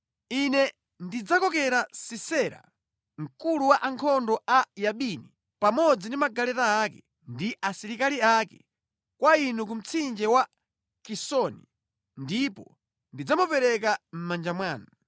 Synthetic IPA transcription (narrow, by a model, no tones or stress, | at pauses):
inɛ | ndid͡zakɔkɛɾasisɛɾa̰ | ŋ̩kuluwaʔaŋkʰɔndɔajaɓini | pamɔd͡zindimaɡalɛtaːkɛ | ndiʔasiɾikaliakɛ | kwainuk̬um̩t͡sʰind͡ʒɛwa | kisɔni | ndipɔ | ndid͡zamupɛɾɛk̬am̩mand͡ʒamwaːna